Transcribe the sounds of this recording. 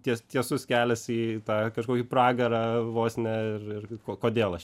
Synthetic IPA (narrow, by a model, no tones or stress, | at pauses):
t̪ʲiɛst̪ʲiɛsʊskʲæːlʲɛsiːt̪ɑːkɐʃkoːkʲɪpɾɑːɡɐɾɑːʋoːsʲnʲɛɪrɪrkoːkoːd̪ʲeːlˠɐʃ